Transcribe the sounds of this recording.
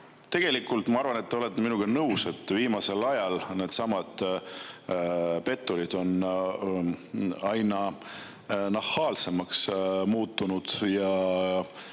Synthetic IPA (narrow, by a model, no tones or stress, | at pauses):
t̪e̞ɡ̥e̞likːˑult̪ˑmɑɑɾrvɑne̞t̪ːeo̞le̞t̪ːeminuɡ̥enɤwse̞t̪ːˑviːmɑse̞lɑjɑlne̞ːd̪̥sɑmɑd̪̥ | pe̞t̪ːˑulid̪̥o̞n | ɑjnɑ | nɑhɑːlse̞mɑksmuːt̪ˑːunud̪̥jɑ